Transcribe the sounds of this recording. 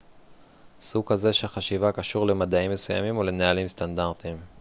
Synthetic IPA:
sukaze̞ʃeaχaʃivakaʃuʁle̞mad̪aimːe̞suja̰mimole̞nealimstandaʁt̪im

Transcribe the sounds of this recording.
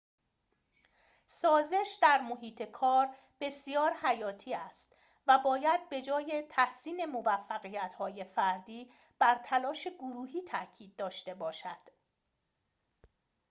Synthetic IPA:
sɒːze̞ʃd̪æɾmo̞ɦiːt̪ʰe̞kʰɒːɾ | b̥e̞sijɒːɾhæjɒːt̪ʰiːæst̪ | væbɒːjæd̪̚be̞d͡ʒɒːje̞t̪ʰæhsiːne̞mo̞væfːæɣijæt̪hɒːje̞fæɾd̪iː | b̥æɾt̪ʰælɒːʃe̞ɡoɾuːɦiːt̪ʰæcʰiːd̪̚ːɒːʃt̪e̞bɒːʃæd̪̥

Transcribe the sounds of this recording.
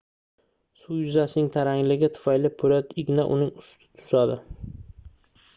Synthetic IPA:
sujʊzasɪnɪŋt̪ʰaɾaŋlɪɡʲɪt̪ʰʊ̥fajlɪpʰʊɾat̪ɪɡʲnaʔʊ̰nɪŋʊst̪ʰɪ̥t̪ʰʊ̥sad̪ɪ

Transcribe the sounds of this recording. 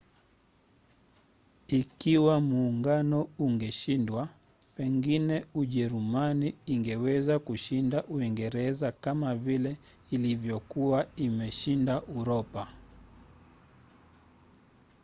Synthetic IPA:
ikiwamuːŋɡanɔuŋɡɛʃindwa | pɛŋɡinɛuʄɛɾumaniːŋɡɛwɛzakuʃindaʔuiŋɡɛɾɛzakamavilɛilivjɔkuaimɛʃindaʔuɾɔpa

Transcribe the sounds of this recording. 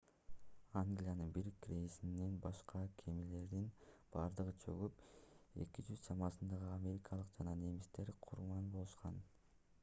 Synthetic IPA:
aŋɡlʲijanɯnbiɾkɾʲejisinenbɑʃqɑkʰe̞mile̞ɾd̪inb̥ɑːɾd̪ɯʁɯt͡ʃʰø̰ʁype̞̰kid͡ʒyzt͡ʃʰɑmɑsɯnd̪ɑʁɯamʲe̞ɾʲikʰɑlˠɯqd͡ʒɑnɑne̞mist̪e̞ɾqʰuɾmɑnbo̞lˠuʃqɑn

